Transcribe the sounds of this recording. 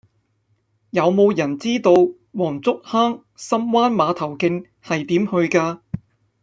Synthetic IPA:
jɐ˨˧wmo˨˧wjɐ˨˩nt͡siː˥t̪o˧w | wɔː˨˩ŋt͡sʊ˥k̚haː˥ŋ | sɐ˥mwaː˥nmaː˨˧t̪ʰɐ˨˩wkɪ˧ŋ | hɐ˨jt̪iː˨˥mhɵ˧ɥkaː˧

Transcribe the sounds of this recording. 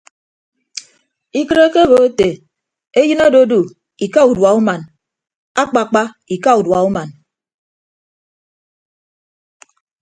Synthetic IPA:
i˦kɨ˦ɾe˦ke˦bo˨˦e˦te˨ | e˦jɨ˦no˦do˦du˨ | i˨ka˦u˨dwa˨u˦ma˨n | a˦k͡pa˨k͡pa˦ | i˨ka˦u˨dwa˨u˦ma˨n

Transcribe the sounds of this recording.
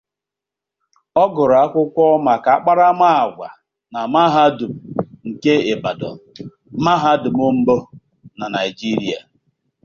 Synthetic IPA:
ɔ˦ɡʊ˨ɾa˨a˦kʷʊ˦kʷɔ˦ma˨ka˨a˦k͡pa˦ɾa˦ma˦a˨ɡʷa̰˨ | na˨ma˦ɦa˦dʊ˨m̩˨ŋ̩˨ke˦e˨ba˨dɔ̰˨n̩˨ | ma˦ɦa˦dʊ˨mʊ˦m̩˦bo˦ | na˨na˨i˨d͡ʒi˦ɾi˦a̰˨

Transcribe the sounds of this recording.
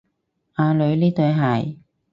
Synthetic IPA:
ʔaː˧lɵ˨˧ɥliː˥t̪ɵ˨˧ɥɦɐ˨˩j

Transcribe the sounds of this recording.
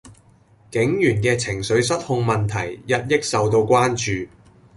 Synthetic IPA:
kɪ˨˥ŋjyː˨˩nkɛː˧t͡sʰɪ˨˩ŋsɵ˨˥ɥsɐ˥t̚hʊ˧ŋmɐ˨nt̪ʰɐ˨˩jjɐ˥t̚jɪ˥k̚sɐ˨wt̪o˧wkʷaː˥nt͡ʃyː˨

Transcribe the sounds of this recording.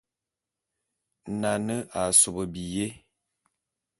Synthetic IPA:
na˨nə˦ʔa˨so˨bə˨bi˨je˦

